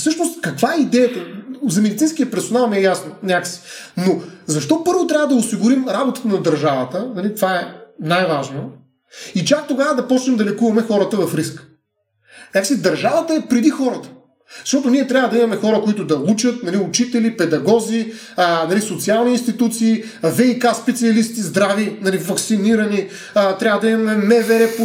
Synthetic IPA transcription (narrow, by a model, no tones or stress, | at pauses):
fsɤʃnost̪kɐkvaɛid̪ɛjət̪ɐzɐmɛd̪it̪sinskijəpɛɾsonalˠnɛɛjasnonʲakə̥si̥nozɐʃt̪ɔpɤɾvot̪ɾʲavəd̪ɐʊsiɡʊɾimɾabot̪ə̥t̪ənɐd̪ɐɾʒavət̪ənɐlit̪vaɛnajvaʒno | it͡ʃak̚t̪oɡavəd̪ɐpɔt͡ʃnɛmd̪ɐlɛkuvɐmɛxɔɾɐt̪əvɐfɾisk | nʲaksid̪ɐɾʒavət̪əɛpɾɛd̪ixɔɾət̪ə̥ | zɐʃt̪ɔt̪ʊniɛt̪ɾʲavəd̪ɐimɐmɛxɔɾəkoit̪ʊd̪ɐut͡ʃət̪nɐliut͡ʃit̪ɛlipɛd̪ɐɡɔzi | ənɐlisot̪sialˠniːnst̪it̪ut̪siː | vɛikaspɛt̪siɐlist̪izd̪ɾavinɐlivɐksiniɾɐni | t̪ɾjavəd̪ɐimɐmɛnɛvɛɾɛp